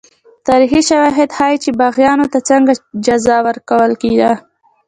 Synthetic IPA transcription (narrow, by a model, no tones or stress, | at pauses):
t̪ɑɾiɦiʃawɑɦɪd̪hɑjt͡ʃebɑɣjɑnot̪at͡səŋɡad͡ʒazɑwəɾkawəlked̪a